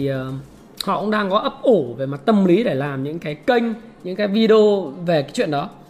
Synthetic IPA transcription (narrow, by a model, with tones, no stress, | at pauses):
i˨˩əː˨˩ | hɔ̰˧˨kʊ̰˧˥ŋ͡mɗaː˧ŋkɔ˨˦ʔə˦˥p̚ʔu˧˩ve˨˩ma˨˩t̚t̪ə˧mli˨˦ɗe˧˩laː˨˩mɲɨ̰˧˥ŋkaː˨˦jkə˧jŋ̟ | ɲɨ̰˧˥ŋkaː˨˦jvi˧ɗo˧ve˨˩kaː˨˦jt͡ɕwi˧˨ənɗɔ˨˦